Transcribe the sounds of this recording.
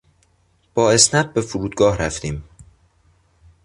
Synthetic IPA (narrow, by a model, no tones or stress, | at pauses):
b̥ɒːe̞snæb̚be̞fuɾuːd̪̚ɡɒːhɾæft̪iːm